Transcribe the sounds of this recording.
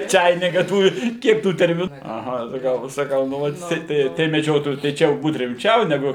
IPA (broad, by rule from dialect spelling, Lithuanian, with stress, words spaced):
ˈt͡ʃɐɪnʲɪkɐ ˈtuː ˈkʲiɛk ˈtuː tʲɛrʲmʲɪˈnuː ɐˈɣɐ sɐˈkɐʊ sɐˈkɐʊ nʊ ˈʋɐt jɪˈsɐɪ tɐɪ tɐɪ mʲɛˈd͡ʒʲoːtoːjuː tɐɪ ˈt͡ʃʲɛ jɛʊ ˈbuːt rʲɪmʲˈt͡ʃʲɛʊ nʲɛˈɡʊ